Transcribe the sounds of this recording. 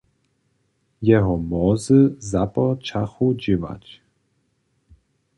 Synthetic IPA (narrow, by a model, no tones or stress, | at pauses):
jɛɦɔmɔzɨzapɔt͡ʃaxud͡ʑiva̰t͡ɕ